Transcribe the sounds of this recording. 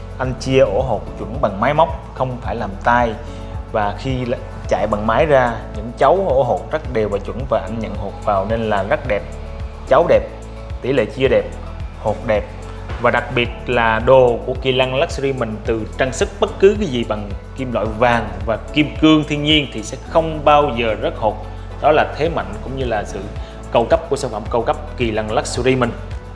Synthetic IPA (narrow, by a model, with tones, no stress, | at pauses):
ʔa˧jŋ̟t͡ɕi˧əʔo˧˩ɦo˨˩t̚t͡ɕwə̰˧˩nɓa˨˩ŋmaː˨˦jma˦˥wk͡p̚xə˧wŋ͡mfaː˧˩jlaː˨˩mt̪aː˧j | vaː˨˩xi˧ | t͡ɕa̰ː˧˨jɓa˨˩ŋmaː˨˦jzaː˧ɲɨ̰˧˥ŋt͡ɕa˨˦wʔo˧˩ɦo˨˩t̚za˦˥ɗe˨˩wvaː˨˩t͡ɕwə̰˧˩nvaː˨˩ʔa˧jŋɲə̰˧˨nho˨˩t̚vaː˨˩wne˧nlaː˨˩za˦˥k̚ɗɛ˨˩p̚ | t͡ɕa˨˦wɗɛ˨˩p̚ | t̪ḭ˧˩lḛ˧˨t͡ɕi˧əɗɛ˨˩p̚ | ho˨˩t̚ɗɛ˨˩p̚ | vaː˨˩ɗa˨˩k̚ɓi˨˩ət̚laː˨˩ɗo˨˩ku˧˩əki˨˩la˧ŋla˦˥k̚su˧ɾi˧mï˨˩ŋ̟t̪ɨ˨˩t͡ɕaː˧ŋsɨ˦˥k̚ɓə˦˥t̚kɨ˨˦kaː˨˦jzi˨˩ɓa˨˩ŋki˧mla̰ː˧˨jvaː˨˩ŋvaː˨˩ki˧mkɨ˧əŋt̪ʰi˧əŋɲi˧ənt̪ʰi˨˩sɛ̰˧˥xə˧wŋ͡mɓaː˧wzəː˨˩zə˦˥t̚ho˨˩t̚ | ɗɔ˨˦laː˨˩t̪ʰe˨˦ma̰˧˨jŋ̟kʊ̰˧˥ŋ͡mɲɨ˧laː˨˩sɨ̰˧˨ | kə˧wkə˦˥p̚ku˧˩əsaː˧˩ŋfa̰˧˩˨mkə˧wkə˦˥p̚ki˨˩la˧ŋlaː˦˥k̚su˧zi˧mï˨˩ŋ̟